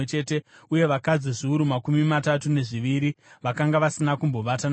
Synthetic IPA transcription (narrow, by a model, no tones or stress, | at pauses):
t͡ʃe̞ːte̞uje̞ʋakad͡ziʐiuɾumakumimatatune̞ʐiʋiɾiʋakaŋɡaʋasinakumbo̞ʋatan